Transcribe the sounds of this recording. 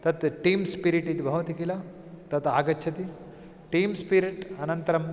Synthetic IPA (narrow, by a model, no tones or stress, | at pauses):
t̪ɐt̪ʈiːmspiɾiʈit̪ibʱɐʋɐt̪ikila | t̪ɐt̪aːɡɐːt͡ʃʰɐt̪i | ʈiːmspiɾiʈɐnɐnt̪ɐɾɐm